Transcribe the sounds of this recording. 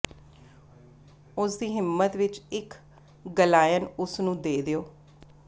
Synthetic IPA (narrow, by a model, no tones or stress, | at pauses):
ʊsd̪iːɦɪmːət̪ʋɪt͡ʃɪk | ɡəlaːjənʊsnũːd̪eːd̪eoː